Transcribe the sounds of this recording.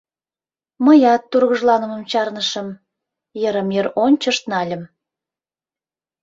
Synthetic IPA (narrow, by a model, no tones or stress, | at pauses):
məjɑt̪ːurɣəʒlɑnəmə̆mt͡ɕɑrnəʃəm | jəɾəmeronʲt͡ɕəʃt̪nɑlʲəm